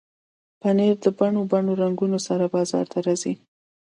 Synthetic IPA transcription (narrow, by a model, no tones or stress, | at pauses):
paneɾd̪əbaɳobaɳoɾaŋɡunosaɾabɑzɑ̰ɾt̪ʰaɾɑzi